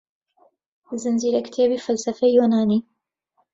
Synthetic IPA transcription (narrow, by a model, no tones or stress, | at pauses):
zɨnziːɾɐkt̪ʰeːbiːfɐlsɐfɛjjoːnaːniː